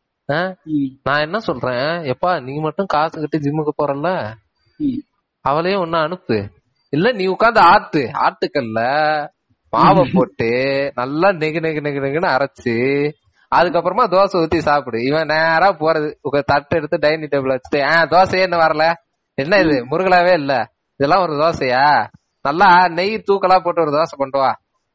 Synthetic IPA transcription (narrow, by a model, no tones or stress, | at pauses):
aːnãːɛnːɐsɔlɾẽːɛpːaːniːmɐʈːɯ̃kaːsɯkɪʈːɯd͡ʒɪmːɯkːɯpoːɾɐlɐ | ɐʋɐɭɐjõːɔnːɐɐɳɯpːɯ | ɪlːɐnĩːʊkːaːnd̪ɐaːɾʈːɯa̰ːɾʈ̪ːɯkːɐlːɐ | maːʋɐpoːʈːɯnɐlːaːnɛɣɯnɛɣɯnɛɣɯnɛɣɯnɯɐɾɐt͡ʃːɯ | ɐðɯkːɐpːɯɾɐmaːd̪oːsɐ̃ʊt̪ːisaːpɯɽɯɪʋɐ̃neːɾaːpoːɾɐðɯɔŋɡɐt̪ɐʈːɛɽɯt̪ːɯɖɐjniʈebɪɭʋɐt͡ʃːɯ̥ʈːɯɛ̃ːd̪oːsɐ̃jeːɛnːɐʋɐːɾɐlɛ | ɛnːɐɪðɯmʊɾɯɣɐɭaːʋeːɪlːɛ | ɪðɛlːãːɔɾɯd̪oːsɐjaː | nɐlːaːnɛjt̪uːkɐlaːpoːʈːɯɔɾɯd̪oːsɐ̃pɐɳɖɯʋãː